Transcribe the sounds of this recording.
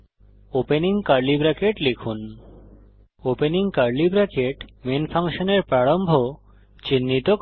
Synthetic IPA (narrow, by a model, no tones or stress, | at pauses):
openiŋkaɾlibɾakeʈlekʰun | openiŋkaɾlibɾakeʈmenfʰaŋʃoneɾpɾaɽombʱo | t͡ɕinːit̪ok